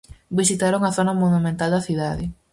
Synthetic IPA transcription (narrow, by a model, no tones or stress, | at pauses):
bisit̪aɾoŋɐθonɐmonumẽnt̪ald̪ɐθiðaðɪ